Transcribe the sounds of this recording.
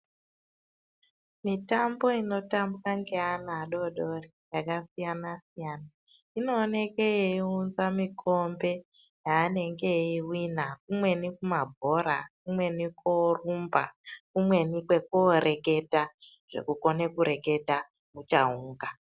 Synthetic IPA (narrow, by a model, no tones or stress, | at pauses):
mitambo̞ino̞tambukaŋɡeanaːɗo̞ɗorijakasijanasijaːna | ino̞ːne̞keeiunzamikʰo̞mbe̞ | jaːne̞ŋɡe̞iwinak̚umwe̞nikumabʱo̞ɾakumwe̞nikorumba̰kumwe̞nikwe̞k̚oɾʔe̞ke̞ta | ʐ̥e̞̰kuko̞ne̞kuɾe̞ke̞ta | mut͡ʃa̰uːŋɡa